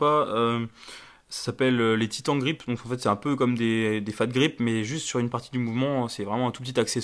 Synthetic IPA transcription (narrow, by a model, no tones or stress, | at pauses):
aø | sḁsapɛløːet̪ʰit̪ɑ̃ɡʁipd̪ɔ̃kɑ̃fɛt̪sɛt̪ɛ̃pøkɔmd̪ed̪efat̪̚ɡʁipmɛʒyst̪syʁynpaʁt̪id̪ymuvmɑ̃sɛvʁɛmɑ̃ɛ̃t̪upət̪it̪aksɛ